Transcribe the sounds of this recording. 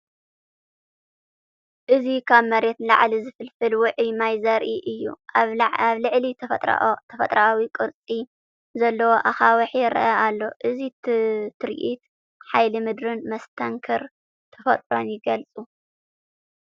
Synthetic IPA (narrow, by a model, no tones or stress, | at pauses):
ʔɨzikʰaβmɐɾet̪la̰ʕlizɨfɨlfɨlwʊʕjmajzɐɾʔiʔɨjːṵaβlɨʕlḭ | t̪ʰɐfɐt̪ʼɾaawikʼɨɾt͡sʼi | zɐlːɐwoʔaxawɐħjɪɾʔɐalːo̞ʔɨzit̪ʰɨɾ̰ʔit̪ | ħajlɨmɨd̪ɾɨnmɐst̪ʰɐŋkʰɐɾ | t̪ʰɐfɐt̪ʼɾo̞njɪɡɐlt͡sʼu